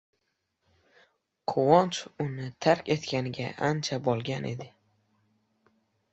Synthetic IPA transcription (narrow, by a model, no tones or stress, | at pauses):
qʰʊwɒnt͡ʃʊnɪt̪ʰaɾkʲe̞t̪kʲanɪɡʲa̰ʔant͡ʃʰabɒlˠɡʲanʔe̞̰d̪ɪ